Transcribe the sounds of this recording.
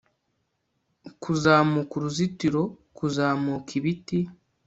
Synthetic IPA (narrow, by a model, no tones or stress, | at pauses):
kʰuzaːmukuɾuzitiɾo̞kuzaːmukʰiβiti